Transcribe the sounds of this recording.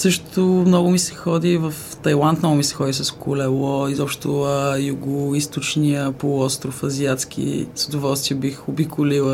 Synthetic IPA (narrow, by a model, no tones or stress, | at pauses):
sɤʃt̪ʊmnɔɡʊmisɛ̥xɔd̪ivəft̪ɐjlˠant̪mnɔɡʊmisɛ̥xɔd̪isəskʰʊlɛlˠɔizɔpʃt̪t̪ʊəjuɡʊist̪ʊt͡ʃniəpolˠɔst̪ɾʊfɐziat̪sk̟ḭz̥əd̪ʊvɔlˠst̪viəbixʊbikʰʊlilˠə